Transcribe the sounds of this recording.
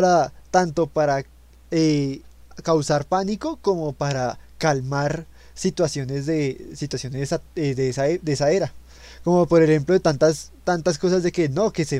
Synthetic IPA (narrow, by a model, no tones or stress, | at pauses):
ɾat̪ant̪o̞paɾa | e | kawsaɾpanikoko̞mo̞paɾakalmaɾ | sit̪wasjo̞ne̞zd̪e̞sit̪wasjo̞nezaed̪esaed̪eesae̞ɾa | ko̞mopo̞ɾexe̞mploet̪ant̪ast̪ant̪asko̞sazd̪e̞ke̞no̞kese